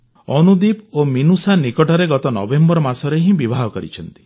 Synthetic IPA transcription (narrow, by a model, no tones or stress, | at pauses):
ɔnud̪ipominusanikɔʈɔɾeɡɔt̪ɔnɔ̰bembɔɾɔmasɔɾeɦĩbibʱaɦɔkɔɾḭt͡ʃʰɔnt̪i̥